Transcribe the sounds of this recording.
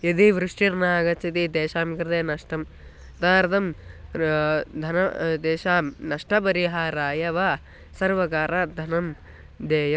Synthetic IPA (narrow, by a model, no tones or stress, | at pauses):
jɐd̪iʋɾuʂʈiɾnaːɡɐt͡ʃɐt̪id̪eːʃaːmkɾɐd̪eːnɐʂʈɐm | t̪aːɾt̪ɐm | d̪ʱɐnɐd̪eːʃaːmnɐʂʈɐp̬ɐɾiɦaːɾaːjɐʋaː | sɐɾʋɐkaːɾaːd̪ʱɐnɐm | d̪eːjɐ